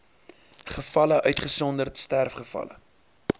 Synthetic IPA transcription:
χəfɐləʔœɥtχəsɔndərtstærfχəfɐ̰lə̰

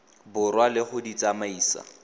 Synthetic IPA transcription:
bʊrwalɪχʊdit͡sʼamaiːsa̰

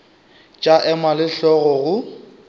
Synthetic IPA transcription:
t͡ʃʼaʔɛmalɪɬɔɣɔɣʊ

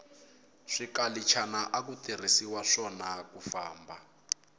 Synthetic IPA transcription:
ʂikalit͡ʃʰanaʔak̬utir̤isiwaʂɔnakufaːmba

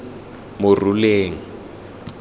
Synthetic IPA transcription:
mʊruleːŋ̩

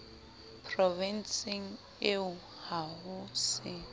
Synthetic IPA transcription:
pʰrɔvɛnsiŋ̩ | eʊ | haɦʊsɪ

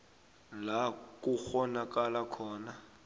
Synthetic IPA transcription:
lak̬ʼuxɔnak̬ʼalakʰɔːna

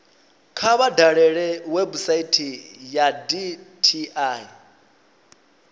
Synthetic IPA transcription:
kʰaβadaɺɛɺɛwebusaitʰijaditʰiai

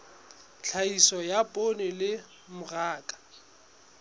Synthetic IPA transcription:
t͡ɬʰaisɔjapʼonɪlɪ | mʊraːkʼḁ

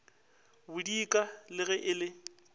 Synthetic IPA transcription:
bʊdikʼalɪɣɛʔɪlɪ

